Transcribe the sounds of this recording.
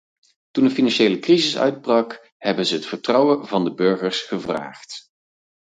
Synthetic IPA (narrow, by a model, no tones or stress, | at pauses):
tundəfinɑnʃejləkrizɪsœ̰ɥd̚brɑk | ɦɛbənzəɦətfəɹtrɑwənvɑndəbɵɹχəɹsχəvra̰ːχt